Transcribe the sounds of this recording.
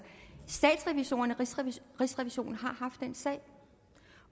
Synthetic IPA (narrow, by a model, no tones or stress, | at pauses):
sd̥ɛ̰ːd̥sʁɛʋiɕo̝̰ːnɐnəʁisʁɛʋiɕo̝̰ːn̩ɦɑ̈hɑ̈fd̥ːen̰sɛ̰ɪ